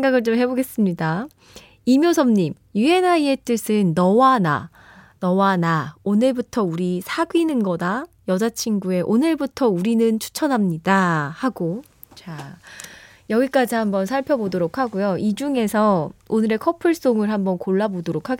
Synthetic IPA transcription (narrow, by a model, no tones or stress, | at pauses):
sʰeŋɡaɡɯɭt͡ɕomɦe̞boɡe̞s͈ɯmɲida | imjosʰʌmɲim | jue̞naie̞t͈ɯsʰɯnːʌwana̰ | nʌwanaonɯɭbutʰʌuɾisʰaɡuinɯnɡʌda | jʌd͡ʑat͡ɕʰinɡue̞ʔonɯɭbutʰʌuɾinɯnt͡ɕʰu̥t͡ɕʰʌnɦamɲidahaɡo | t͡ɕa | jʌɡik͈ad͡ʑiɦambʌnsʰaɭpʰjʌbodoɾokʰaɡujoid͡ʑuŋe̞sʰʌonɯɾe̞kʰʌpʰɯɭs͈oŋɯɭhambʌnkoɭːabodoɾokʰaɡe